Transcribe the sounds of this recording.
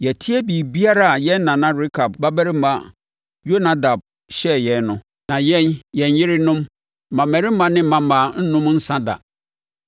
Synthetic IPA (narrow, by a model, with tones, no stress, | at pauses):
jɛ˨tʰi˦æ˦bi˨bi˦a˦ɾa˦˨jɛ˦n̩˦nã˨nã˦ɾi˦kʰa˨bba˦bæ˦ɾɪ˦mã˨ | jo˦nã˨˦da˨b̚ | ɕɛ˦jɛ˨nnʊ̃˨ | nã˨jɛ̃˦njɛ̃˨njɪ˦ɾɪ˦nʊ̃˦m˨ | mã˨mæ˨ɾɪ˦mã˦nɪ̃˦mã˦˨mã˨n̩˦nʊ̃˦m˦n̩˦sã˦da̰˨